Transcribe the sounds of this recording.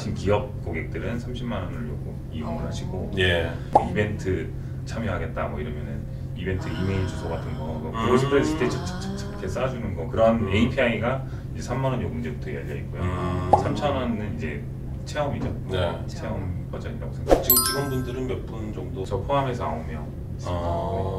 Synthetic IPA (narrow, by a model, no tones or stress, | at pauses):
ɕʰinkiʌp̚k͈oɡe̞k̚t͈ɯɾɯnsʰamɕʰimmanʌnɯɭjoɡo | iɯŋɯɭɦaɕʰiɡoje | mʌibe̞ntʰɯ | t͡ɕʰamjiɦaɡe̞t̚t͈amʌiɾʌmjʌnɯn | ibe̞ntʰɯimeiɭd͡ʑusʰʌɡatʰɯnɡʌaɡokusʰɯpʰɯɾes͈ɯt͈ʰet͡ɕʰʌt͡ɕ͈ʰʌ̥t͡ɕ͈ʰt͡ɕʰʌ̥kʰes͈ad͡ʑunɯnɡʌkɯɾʌneipʰeaŋiɡa | id͡ʑe̞sʰamːanʌnjoɡɯnd͡ʑebutʰoeja̰ʎːʌḭk͈̚ojosʰamt͡ɕʰʌnʌnnɯnid͡ʑe̞ | t͡ɕʰe̞ʌmid͡ʑʌ | n | t͡ɕʰe̞ʌmpʌd͡ʑʌɲiɾa̰ɡosʰeŋɡʰat͡ɕit͡ɕiɡɯnbundɯɾɯnmep͈und͡ʑʌŋdot͡ɕʌpʰoɦame̞sʰʌa̰omjʌ | sʰa